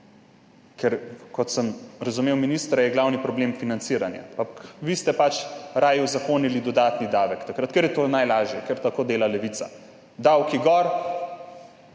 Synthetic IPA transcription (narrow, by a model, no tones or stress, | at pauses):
kʰɛɾkɔt̪səmɾazumewminist̪ɾajɛɡlawnipɾɔbleːmfinansiːɾanja̰pakʋist̪ɛpat͡ʃɾaːjuzakoːnilid̪ɔd̪aːt̪nid̪aːʋɛkt̪akɾat̪kɛɾjɛt̪oːnajlaːʒjɛkɛɾt̪akoːd̪eːlalɛʋit̪sa̰ | d̪awkiɡɔɾ